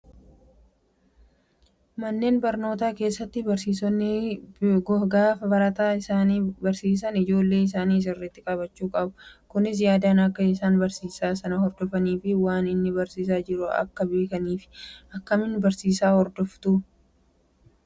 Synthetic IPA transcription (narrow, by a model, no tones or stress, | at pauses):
mɐnːe̞ːnbɐɾno̞ːt̪aːke̞ːsːɐt̪ːɪbɐɾsiːsɔnː | ɡɔɡaːfɐbɐɾɐt̪aːɪsaːniːbɐɾsiːs̬ɐnɪd͡ʒo̞ːlːe̞ːɪs̬aːniːs̬ɪrːɛt̪ːɪkʼɐbɐt͡ʃːuːkʼɐbɐkʊnɪs̬jaːd̪aːnɐkːɐɪsaːnbɐɾsiːsaːsɐnɐhɔɾd̪ɔfɐniːfɪwaːnɪnːɪbɐɾsiːs̬aːd͡ʒɪɾʊɐ̰kːɐbe̞ːkɐniːfɪ̥ʔɐkːɐmɪnːbɐɾsiːsaːhɔɾd̪ɔft̪ʊ